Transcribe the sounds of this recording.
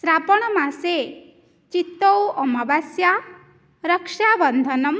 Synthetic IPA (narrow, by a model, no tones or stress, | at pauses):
sɾapɔɽ̃ɔmãse | t͡ʃit̪ːowɔmabasja | ɾəkʃabənd̪ʱənʌm